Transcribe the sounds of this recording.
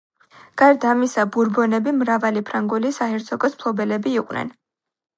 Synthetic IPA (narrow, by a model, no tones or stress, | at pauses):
ɡ̥aɾd̪amisabuɾbɔnɛbimɾavalipʰɾaŋɡulisaɦɛɾt̪sʰɔkʼɔspʰlˠɔbɛlɛbiːqʼwnɛ̰n